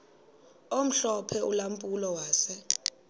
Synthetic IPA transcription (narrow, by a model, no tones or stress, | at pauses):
om̩ɬɔpʰɛʔulampʼulɔwaːsɛ